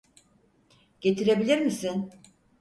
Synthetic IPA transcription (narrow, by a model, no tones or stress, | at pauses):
ɟ̥e̞t̪ʰiɾe̞bilʲiɾmisin